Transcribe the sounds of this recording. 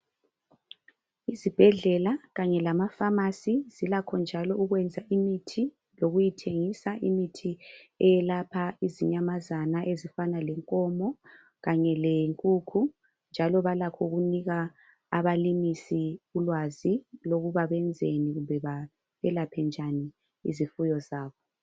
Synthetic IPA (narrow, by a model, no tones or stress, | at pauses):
izib̥ʱɛɮɛlaɣaɲɛlamafamasizilakʰɔnd͡ʒʱalɔuɣwɛnd͡zʱaʔimitʰi | loɣujitʰeŋisaʔimitʰiɛjɛlapʰaiziɲamazanaʔezifanalɛŋkʼɔmɔ | ɣaɲɛleŋkʼuːkʰu | nd͡ʒʱalɔβalakʰɔɣuniɣa | aβalimisiulwaziloɣuβaβɛnd͡zʱeniɣumbʱɛβa | ɛlapʰɛnd͡ʒʱani | ḭzifujɔzaːβɔ